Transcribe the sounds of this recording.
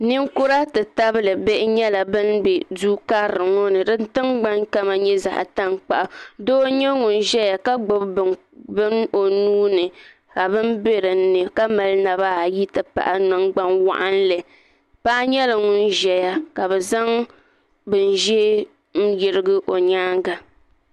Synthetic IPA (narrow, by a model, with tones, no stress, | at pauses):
nɨ˦ŋ˦kʊ˦ɾa˦tɨ˨ta˦bɨ˦lɨ˨be˦ʔɪ˦ɲɛ˦la˨bɨ˦nbe˨duː˦ka˦ɾɨ˨ŋo˦nɨ˨dɨ˦n˦tɨ˦ŋɡ͡ba˦ŋka˦ma˨ɲɛ˦za̰˨ʔa̰˨ta˦ŋk͡pa̰˨ʔa˨doː˦ɲɛ˦ŋu˨n˦ʒɛ˦ja˨ka˦ɡ͡bo˦bb | bɨ˦n˦o˨nuː˦nɨ˨ | ka˨bɨ˦nbe˦ɾɨ˨n̩˦nɨ˨ka˦ma˨lna˨βaː˦˨ji˦tɨ˨pa̰˨ʔa˦nɨ˦ŋɡ͡ba˦nwa̰˦ʔa˦n˦lɨ˨ | pa˦ʔa˦ɲɛ˦lɨ˨ŋu˦nʒɛ˨ja˦ka˨βɛ˨za˦ŋ | bɨ˨n̩˦ʒɛ˦ | n̩˦jɪ˨ɾɨ˦ɡɨ˦ʔo˨ɲaː˦ŋɡa˨